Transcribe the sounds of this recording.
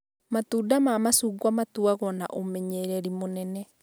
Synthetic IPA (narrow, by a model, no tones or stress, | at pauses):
matuːdamaːmasuːɡwamatuaɣɔna̰ʔomɛɲeɾɛɾimonɛnɛ